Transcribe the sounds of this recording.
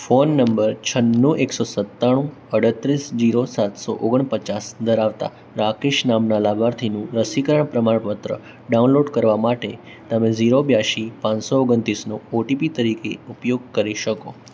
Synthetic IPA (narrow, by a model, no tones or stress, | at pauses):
fonːəmbəɾt͡ʃʰənːuʔeksosət̪ːaɽ̃ũ | əɽ̤ət̪ɾisd͡ʒiɾosat̪so̰ʔoɡəɳpət͡ʃasd̪əɾaʋt̪a̰ | ɾakeʃnamnalabaɾt̪ʰinũɾəsikəɾəɳpɾəmaɳpət̪ɾə̰ | ɖaunloɖkəɾʋamaʈe | t̪əmẽziɾobjaʃipãɲsooɡənt̪ɾisnooʈipit̪əɾikeupjoɡ̚kəɾiʃəko